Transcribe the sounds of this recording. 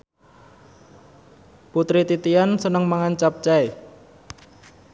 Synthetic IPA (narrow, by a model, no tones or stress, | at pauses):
put̪ɾit̪it̪iansənəŋmaŋant͡ʃap̚t͡ʃae